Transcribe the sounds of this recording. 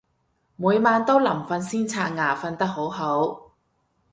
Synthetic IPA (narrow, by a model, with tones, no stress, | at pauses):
muː˨˧jmaː˧nt̪o˥wlɐ˨˩mfɐ˧nsiː˥nt͡sʰaː˧ŋaː˨˩fɐ˧nt̪ɐ˥k̚ɦo˨˥wɦo˨˥w